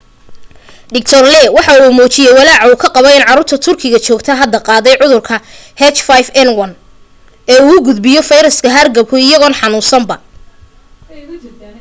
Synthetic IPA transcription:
ɖɪk̚t̪ʰɔrlɛwɑħɑuːmɔːt͡ʃɪjɛjwɑlaːʕuːkʰɐqɑβɛjɪnʕɑɾuːrt̪ʰɐt̪ʰʊrkʰɪɣɐt͡ʃɔːɡt̪ʰɐɦɐd̪ːɐqɑːðɛjʕʊðʊrkʰɐhɛt͡ʃfajfɛnwɐn | ɛːuːɣʊɡʊd̪bɪjɔfɐjɾɐskʰɐɦɐrɡɐb̚kʰʊɪjɐɣɔːnħɑnuːsɐmbɐ

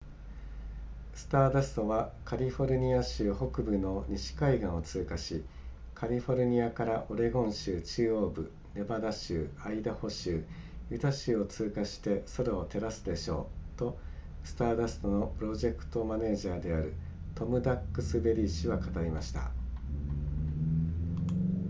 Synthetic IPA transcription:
sɨ̥t̪aːd̪asɨ̥t̪o̞βakʰaɾʲiɸo̞ɾɯ̟ɲ̟iaɕɨːho̞kɯ̟bɯ̟no̞ɲ̟iɕi̥kaiɡãɰ̃o̞t͡sɨːkaɕi | kʰaɾʲiɸo̞ɾɯ̟ɲ̟iakaɾaʔo̞ɾe̞ɡõ̞ɰ̃ɕɨːt͡ɕɨːo̞ːbɯ̟ | ne̞bad̪aɕɨːaid̪aho̞ɕɨːjɯ̟t̪aɕɨːo̞t͡sɨːkaɕi̥t̪e̞so̞ɾaot̪e̞ɾasɨd̪e̞ɕo̞̰ːt̪o̞ | sɨ̥t̪aːd̪asɨ̥t̪o̞no̞pɯ̟ɾo̞ʑe̞kɯ̟̥t̪o̞mane̞ːʑaːd̪e̞aɾɯ̟t̪o̞mɯ̟d̪akːɯ̟sɨbe̞ɾʲiɕiβakat̪aɾʲimaɕi̥t̪a̰

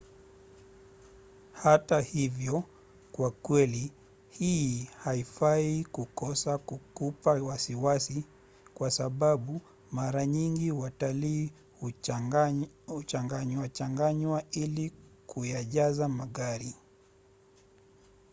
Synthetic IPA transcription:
hatahivjɔ | kwakwɛli | hiːhaifaikukɔsakukupawasiwasi | kwasaɓaɓu | maɾaɲiŋɡiwataliː | h | ut͡ʃaŋɡaɲwat͡ʃaŋɡaɲwailikujaʄazamaɠaɾi

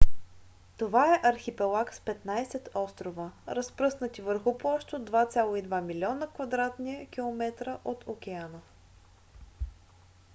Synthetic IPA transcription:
t̪ovaɛʔɐɾxipɛlˠakspɛt̪najsɛt̪ɔst̪ɾovəɾəspɾɤsnət̪ivəɾxʊplˠɔʃt̪od̪vat̪sʲalˠoid̪vamilʲiɔnəkvɐd̪ɾat̪niəkʲilˠomɛt̪ɾəʔot̪ʰokʲɛanə

